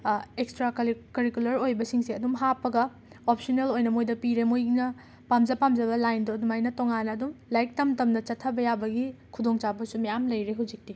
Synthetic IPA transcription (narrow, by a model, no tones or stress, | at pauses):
ekstɾakɐɾikulɐɾojbɐsiŋsiɐdumɦapːɐɡɐ | op̚sonelojnɐmojdɐpiɾemojnɐ | pamd͡ʒɐpamd͡ʒɐbɐlajndoɐdumajnɐtoŋanːɐːdumlajk̚tɐmtɐmnɐt͡ʃɐtʰːɐbɐjabɐɡikʰudoŋt͡ʃabɐsumɐjamlɐjɾeɦud͡ʒik̚ti